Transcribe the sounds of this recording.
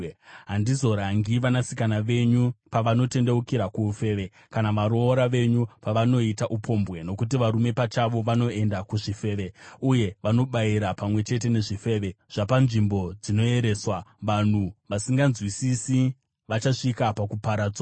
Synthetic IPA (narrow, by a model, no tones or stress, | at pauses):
ɦandizo̞ɾaŋɡiʋanasikanaʋe̞ɲupaʋano̞te̞nde̞ukiɾakuːfe̞ːʋe̞ | kanaʋaɾo̞ːɾaʋe̞ɲupaʋano̞itaʔupʰo̞mbɣe̞no̞kut̬iʋaɾume̞pat͡ʃaʋo̞ʋano̞e̞ndakuʐife̞ːʋe̞uje̞ʋano̞ɓaiɾapamwe̞t͡ʃe̞t̬e̞ne̞ʐife̞ːʋe̞ʐ̥apanʐimbo̞d͡zino̞e̞ɾe̞swaʋan̤uʋasiŋɡanzwisisi | ʋat͡ʃaʂikapakupaɾaːd͡zwa